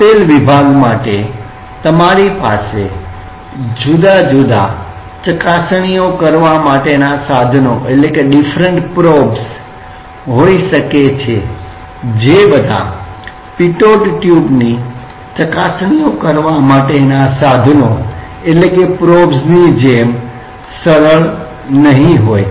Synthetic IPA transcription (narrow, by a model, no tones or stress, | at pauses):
t̪elʋibʱaɡmaʈe | t̪əmaɾipa̰se | d͡ʒud̪ad͡ʒud̪a̰ | t͡ʃəkasɽ̃ijokəɾʋamaʈenasad̪ʱnoʔeʈlekeɖifʰɾəɳʈpɾobs | ɦoiʃəket͡ʃʰe | d͡ʒebəd̪ʱa̰ | piʈoʈʈjubni | t͡ʃəkasɽ̃iokəɾʋamaʈenasad̪ʱno | eʈlekepɾobsnid͡ʒem | səɾəɭ | nəɦĩɦoj